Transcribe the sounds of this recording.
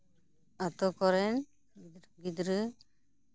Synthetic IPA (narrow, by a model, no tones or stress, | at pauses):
at̪ɔkɔɾɛn | ɡid̪ɾɯ